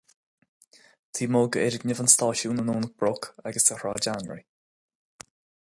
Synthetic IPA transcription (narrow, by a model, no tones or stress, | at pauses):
t̪ʰiːmoːɡəeɾɪɡnɪvənst̪ɑːʃuːnənoːnək̚b̥ɾʊkʰaɡəsdəhɹaːd͡ʒanɹḭ